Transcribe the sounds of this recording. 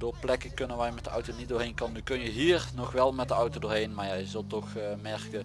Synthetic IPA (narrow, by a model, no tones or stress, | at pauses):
doːplɛkəkɵnənʋɛjmɛtdəɔwtonit̚dʊːɹɦejnkɑndukɵnjəɦiːrnɔxʋɛlˠmɛt̚dəɔwtodoːɹɦejnmaːɹjajəzɵlˠtɔxmɛɹkə